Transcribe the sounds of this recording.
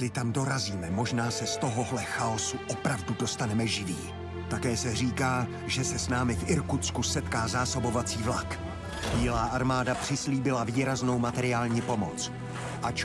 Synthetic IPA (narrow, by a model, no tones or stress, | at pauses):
lɪt̪amdo̞ɾaziːmɛmo̞ʒnaːsɛst̪o̞ɦoɦlɛxaosuʔopɾavdudost̪anɛmɛʒɪviː | t̪akɛːsɛr̝iːkaː | ʒɛsɛsnaːmɪfʔɪɾkut̪t͡skusɛt̪kaːzaːso̞bo̞vat͡siːvlak | biɪːlaːʔaɾmaːdapr̝̥ɪsliːbɪlaviːɾazno̞wmat̪ɛɾɪaːlɲiːpo̞mot͡s | ʔat͡ʃ